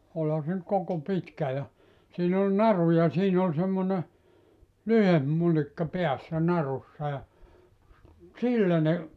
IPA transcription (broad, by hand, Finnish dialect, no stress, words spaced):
olhɑ se ny̆t koko pitkæ jɑ siːn ol nɑru jɑ siːn ol semːone lyhemp mulikːɑ peæsːæ nɑrusːɑ jɑ silːæ ne